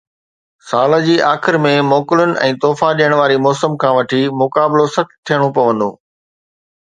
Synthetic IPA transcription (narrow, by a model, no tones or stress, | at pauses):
saːlə̆d͡ʑiːʔaːxɪɾmẽmɔːkɪlʊnɪ̆ɛ̰̃ːt̪ɔːfaɗiːəɽ̃ʋaːɾimɔːsəmkʰãːʋɐʈʰimʊkaːblosɐk̚t̪ʰijəɽ̃õpɐʋə̃nd̪o̰ː